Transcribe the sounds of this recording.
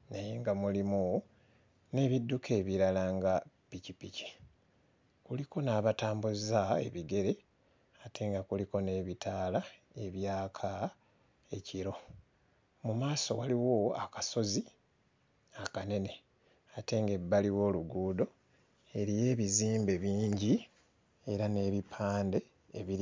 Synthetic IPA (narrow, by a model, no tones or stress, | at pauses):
najeŋɡamulimu | ne̞ːβidːukʰe̞ːβiɾalaŋɡapicipici̥ | kuliko̞naːβataːmbuzae̞̰βiɡe̞ɾe̞ | atʰe̞ːŋɡakuliko̞ne̞ːβitʰaːla | e̞βjaːkʰa | e̞ciɾo̞ | mumaːso̞̰waliwo̞a̰kaso̞zi | akane̞ne̞ | ate̞ŋɡe̞bːaliwo̞ːluɡuːdo̞ | e̞ɾije̞ːβiziːmbe̞βiːɲɟi | e̞ɾane̞βipʰaːnde̞ | eβi